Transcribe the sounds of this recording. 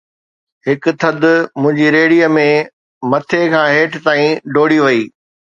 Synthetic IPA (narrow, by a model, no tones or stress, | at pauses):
ɦɪkʊ̆t̪ʰɐd̪ʊmʊ̃ɦɪ̃ɲd͡ʑiɾeːɽijəmẽ | mɐt̪ʰekʰãːɦeːʈt̪aːĩɖoːɽiʋɐiː